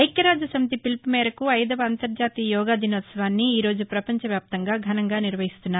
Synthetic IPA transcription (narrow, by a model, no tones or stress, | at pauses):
ɐjkjɐɾaːd͡ʒɐsɐmit̪ipilpmɛːɾɐkuɐjd̪ɐʋɐːnt̪ɐɾd͡ʒaːt̪iːjɔːɡaːd̪ʱinoːt̪sɐʋaːnːiːɾo̞ːd͡ʒupɾɐpɐɲt͡ʃɐʋjaːp̚t̪ɐŋɡaːɡʱɐnɐŋɡaːniɾʋɐɦist̪unːaː